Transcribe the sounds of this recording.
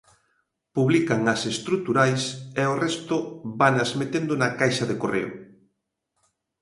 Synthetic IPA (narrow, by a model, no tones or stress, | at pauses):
puβlikaŋɐsest̪ɾut̪uɾajseorɛst̪ʊbanɐzmet̪end̪ʊnakajʃɐðekorḛʊ̰